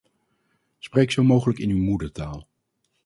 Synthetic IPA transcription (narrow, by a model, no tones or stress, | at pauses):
sprejksowmowχələkɪnywmudəɹtaːlˠ